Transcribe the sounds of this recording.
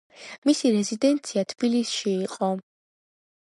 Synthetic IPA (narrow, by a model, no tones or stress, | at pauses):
misiɾɛzid̪ɛnt̪sʰiat̪ʰb̥ilisʃiːqʼɔ